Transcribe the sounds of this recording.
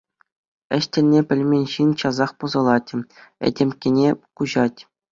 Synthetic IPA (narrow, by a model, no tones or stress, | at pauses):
ɘ̆ɕtʲɘ̆lʲnʲepʲɘ̆lʲmʲenʲɕint͡ɕɑzɑχpɤ̆zɤ̆lˠɑtʲɘ̆ɘ̰dʲemʲkʲenʲekuʑɑtʲ